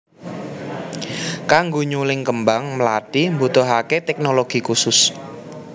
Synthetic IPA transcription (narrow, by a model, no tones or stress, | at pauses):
kaŋɡoɲulɪŋkəmbaŋməlaɖ̥imbut̪ɔɦaket̪ɛk̚noloɡ̥ikusʊs